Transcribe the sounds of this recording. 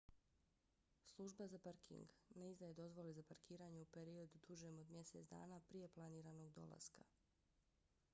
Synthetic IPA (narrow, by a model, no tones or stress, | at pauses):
slˠuʒbazapaɾkʰḭŋɡneizd̪ajed̪o̞zʋo̞lezapaɾkiːɾaːɲeupe̞ɾio̞d̪ud̪uʒemo̞d̪mjese̞t̪d̪a̰ːnaːpɾije̞plˠaniːɾaːno̞ɡd̪o̞̰lˠa̰ska̰